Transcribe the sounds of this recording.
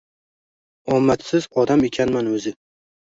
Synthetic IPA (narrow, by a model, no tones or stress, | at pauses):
ɒmːat̪sɪz̥qʰɒd̪amekʲʰanmanɵzɪ